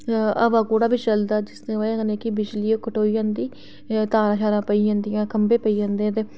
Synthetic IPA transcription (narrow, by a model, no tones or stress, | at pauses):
ə̰ʋaːkoːɽaːbiːt͡ʃəld̪aːd͡ʒɪsnẽːaãːkəneːkɪbɪt͡ʃliːoːkəʈoːijãːnd̪iː | t̪aːɾãːt͡ʃʰaːɾãːpəiːd͡ʒãːnd̪ijãːkəmbeːpəiːd͡ʒãːnd̪ẽːt̪eː